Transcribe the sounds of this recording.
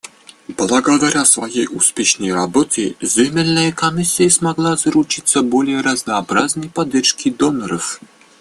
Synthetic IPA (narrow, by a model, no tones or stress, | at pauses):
blˠəɡɐd̪aɾʲasvɐjejuspʲeʂnəjɾɐbot̪ʲɪzʲɪmʲɪlʲnəjəkɐmʲisʲːɪjəsmɐɡlˠazɾʊt͡ʃit̪səbolʲɪjəɾəznəːbɾaznəjpɐd̪ʲːɛrʂkʲʰɪd̪onəɾəf